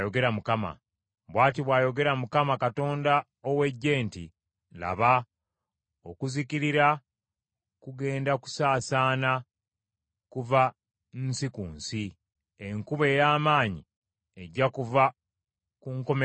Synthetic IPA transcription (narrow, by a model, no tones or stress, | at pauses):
jo̞ɡe̞ɾamukama̰ | βwaːtiβwaːjo̞ɡe̞ɾamukamakato̞ːnda | owe̞ɟːe̞ːntḭ | la̰βa | o̞kuziciɾiɾa | kuɡe̞ːndaku̥saːsaːna | kuva | nnsikuːnsi | eŋkuβe̞ːjaːmaːɲḭ | e̞ɟːakuva | kuŋko̞me